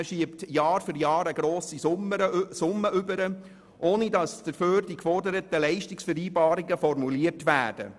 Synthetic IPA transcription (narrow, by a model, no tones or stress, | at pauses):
ʃiəptjɑːɾfʏɾjɑːɾəɡɾoːsisməsʊmːəʔʏbəɾə | ʔoːnidɑsd̥əɾføːɾd̥ikfɔrdəɾətəlɛɪʃtɪksfɛɾiːbɑːɾɪɡəfɔɾmuliəɾtʋæːd̥ə̰